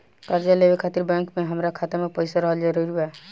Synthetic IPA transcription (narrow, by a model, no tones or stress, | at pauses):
kaɾd͡ʒalebekʰat̪iɾbɛ̃ŋkmeɦəmɾakʰat̪emepəjsaɾəɦəld͡ʒaɾəɾbɛ